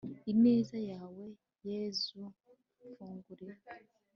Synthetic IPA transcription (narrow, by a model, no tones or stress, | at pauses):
ineːzajaːwe̞ | jezu | fuːŋɡuɾiɾ